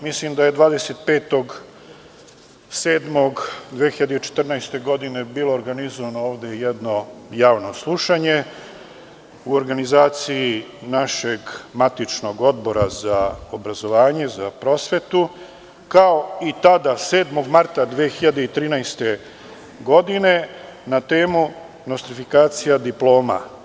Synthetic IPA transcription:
mislimd̪ajed̪ʋaːd̪eset̪̚pe̞ːt̪o̞ɡ | seːd̪mo̞ɡd̪ʋexiʎad̪eit͡ʃe̥t̪r̩najst̪e̞ɡo̞d̪ine̞biːlo̞ːɾɡanizoʋanooːʋd̪ejed̪no̞jaːʋno̞slˠuʃaɲe̞ | uoɾɡanizaːt̪siinaʃe̞ɡmat̪it͡ʃno̞ɡo̞d̪bo̞ɾazaobɾazo̞ʋaːɲe̞zapɾo̞sʋe̞t̪u | kaoit̪ad̪ase̞ːd̪mo̞ɡmaɾt̪ad̪ʋeːxiʎad̪e̞it̪ɾiːnajst̪e̞ | ɡo̞d̪ine̞nat̪e̞ːmu | nost̪ɾifikaːt̪sijad̪iplˠo̞ːma̰

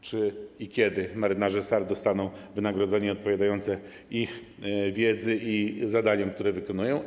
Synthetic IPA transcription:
t͡ʂɘikʲjɛd̪ɘmaɾɘnaʐɛst̪aɾd̪ɔst̪anɔ̃w̃vɘnaɡɾɔd̪zɛɲɛɔt̪̚pɔvʲjad̪ajɔnt̪sɛ | ix | vʲjɛd̪zɘizad̪aɲɔmk̚t̪uɾɛvɘkɔnujɔ̃w̃

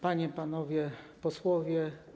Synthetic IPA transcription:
paɲɛpanɔvʲjɛpɔswɔvʲjɛ

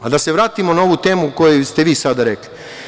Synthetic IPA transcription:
ad̪ase̞ʋɾaːt̪imo̞nao̞ʋut̪e̞ːmuko̞jest̪e̞ʋiːsad̪aɾekli

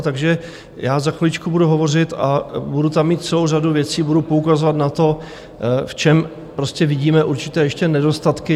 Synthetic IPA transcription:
t̪aɡʒɛ | jaːzaxolɪt͡ʃkubuduɦo̞vo̞rɪt̪a̰budut̪amːiːt̪̚t͡sɛlo̞wraduvjɛt͡siːbudupoukazovat̪nat̪o̞ | ft͡ʃɛm | pɾo̞scʲɛvɪɟiːmɛʔuɾt͡ʃɪ̥t̪ɛːjɛʃcɛnɛdo̞st̪at̪kɪ

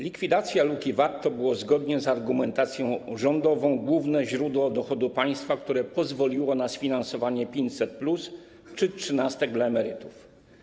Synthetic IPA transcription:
lʲikfʲid̪at̪sʲjalukʲivaɾt̪ɔbɘwɔzɡɔd̪ɲɛzaɾɡumɛnt̪at̪sʲjɔ̃w̃ʐɔnd̪ɔvɔ̃w̃ɡwuvnɛʑɾud̪wɔd̪ɔxɔd̪upaj̃st̪fakt̪uɾɛpɔzvɔlʲiwɔnasfʲinansɔvaɲɛpʲjeɲt͡ɕsɛt̪̚plus | t͡ʂɘtʂɘnast̪ɛɡ̚d̪laɛmɛɾɘt̪uf

